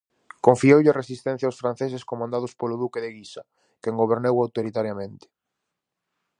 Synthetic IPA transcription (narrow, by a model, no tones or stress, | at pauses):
koɱfiowʎɪaresist̪ɛn̟θjawsfɾanθesɪskomãnd̪að̞ʊspolʊðukeðɪɣisa | keŋɡoβ̞eɾnewawt̪oɾit̪aɾjamẽnt̪ɪ̥